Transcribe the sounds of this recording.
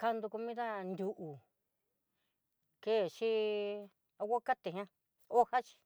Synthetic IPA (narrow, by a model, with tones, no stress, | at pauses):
ka˧nd̪u˧ko˧mĩ˦ða˦nd̪ʲu˧ʔu˨ | ke˦˨ʃi˦ | a˧wʷa˦ka˦t̪e˨ɦã˦ | o˦ha˦t͡ʃi̥˧